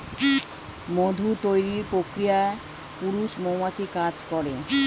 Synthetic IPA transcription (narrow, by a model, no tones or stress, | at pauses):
mod̪ʱut̪ojɾiɾpɾokɾijae | puɾuʃmomat͡ɕikad͡ʑkɔɾe